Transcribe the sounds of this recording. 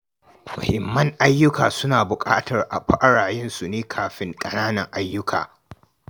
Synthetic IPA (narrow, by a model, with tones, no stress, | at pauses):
mɐ̰˨hɪ˨mːɐ˦ŋʔa˦jːʊ˦kaː˨sʊ˦naː˨bʊ˨kʼa̰ː˦tɐ˨rʔa̰˨ɸɐ˦ʔa˦ɽaː˨jɛ˦nsu˨neː˦kʰaː˨ɸɪ˦ŋkʼɐ˦naː˦nɐ˨ŋʔa˦jːʊ˦kʰa̰ː˨